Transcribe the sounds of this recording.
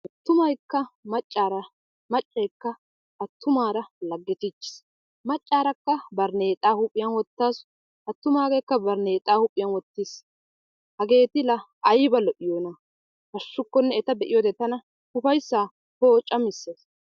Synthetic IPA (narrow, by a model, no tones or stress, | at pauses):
ʔɐt̪ːʊmɐjkːɐmɐt͡ʃʼːaːɾɐ | mɐt͡ʃʼːɐjkːɐ | ʔɐt̪ːʊmaːɾɐlɐɡːɪt̪ɪt͡ʃːɪ̥s | mɐt͡ʃʼːaːɾɐkːɐbɐɾne̞ːt̪ʼaːhʊpʼːɪjɐnwɔt̪ːaːs | ʔɐt̪ːʊmaːɡejkːɐbɐɾneːt̪ʼaːhʊpʼːɪjɐnwɔt̪ːɪs | hɐɡe̞ːt̪ɪlɐ | ʔɐjbɐlɔʔɪjoːnɐ | hɐʃːʊkːɔnːɛɛt̪ɐd̪ɛʔɪjɔd̪ɛt̪ɐnɐ | hʊfɐjsːaː | hoːt͡ʃʼːɐmɪsːeːs